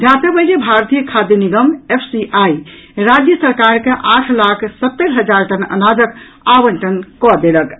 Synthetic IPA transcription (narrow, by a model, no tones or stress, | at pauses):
d̪ʱjasəbəɾebʱaɾt̪ijəkʰad̪jəniɡəmepʰsiʔaiɾad͡ʒjəsəɾkaɾkeʔaʈʰlakʰsət̪ːeɾɦəd͡ʒaɾʈənə̰nad͡ʒək | abənʈənkɔd̪elək